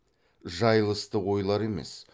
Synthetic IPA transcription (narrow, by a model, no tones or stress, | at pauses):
ʒɑjlˠəst̪əwo̞jlˠɑɾe̞me̞̰s